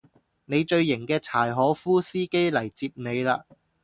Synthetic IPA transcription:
ne˨˧jt͡ʃɵ˧ɥːɪ˨˩ŋkɛː˧t͡sʰaː˨˩jɦɔː˨˥fuː˥siː˥ke˥jlɐ˨˩jt͡siː˧p̚ne˨˧jla̰ː˧

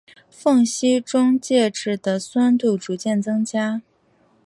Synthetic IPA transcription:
fɤ˥˩ŋɕi˥ʈ͡ʂʊ˥ŋt͡ɕjɛ˥˧ʈ͡ʂɻ̩˥˩d̪ə˩swa˥nt̪u˥˩ʈ͡ʂu˧˥t͡ɕjɛ˥˩nt͡sɤ˥ŋt͡ɕja˥

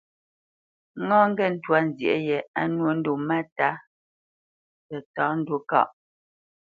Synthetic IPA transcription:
ŋɔ̃˦ŋ̩˦ɡɛ˦˨n̩˦twa˦n̩˨zjɛ̰˨ʔjɛ˨a˦nwo˦n̩˦do˨ma˦ta˦ | pɛ˨tɔ˨˦n̩˦dwo˦kɔ̰˦˨ʔ

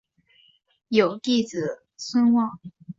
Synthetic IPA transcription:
jo˨˩ʊt̪i˥˩t͡sɹ̩˨˩ | swə˥nwɑ˥˩ŋ

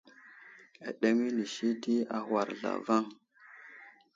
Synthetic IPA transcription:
a̰˨ɗe˦mi˦ni˨ʃi˦di˦a˦hwa˨ɾɮa̰˨va˦ŋ

